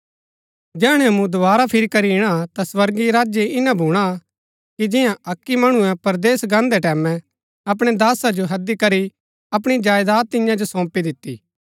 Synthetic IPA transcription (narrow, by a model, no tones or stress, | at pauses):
d͡ʒɛːɽ̃ɛ̃ɐmũd̪oʋaːɾapʰɪɾikɐɾiɪɽ̃at̪aswɐɾɡiɾaːd͡ʒjeɪnãbʱuːɽ̃a | kid͡ʒɪjãʔɐkːimɐɽ̃ũɛ̃pɐɾd̪eːsɡãːnd̪ɛʈɛːmɛ̃ | ɐp̬ɽ̃ed̪aːsad͡ʒoɦɐd̪ikɐɾi | ɐp̬ɽ̃id͡ʒaːjd̪aːt̪ːɪjãd͡ʒosɔ̃ːpid̪ɪt̪ːḭː